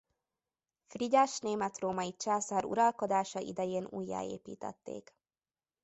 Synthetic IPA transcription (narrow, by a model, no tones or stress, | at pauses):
friɟaːʃneːmɛt̪roːmɒjit͡ʃaːsaɾṵɾɒlko̞d̪aːʃɒʔḭd̪ɛjeːnṵːjːa̰ːḛːpḭːt̪ɛ̰t̪ːḛːk